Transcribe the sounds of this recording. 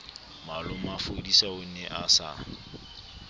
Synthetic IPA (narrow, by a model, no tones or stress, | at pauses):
malʊmafodisaʊn̩nɛʔasa̰